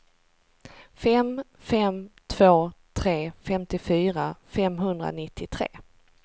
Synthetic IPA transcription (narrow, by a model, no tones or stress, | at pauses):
fɛm | fɛmt̪ʰv̥oːt̪ʰɾeːfɛmt̪ɪfyːɾafɛmɦɵnd̪ɾa̰nɪt̪ʰːɪt̪ʰɾḛː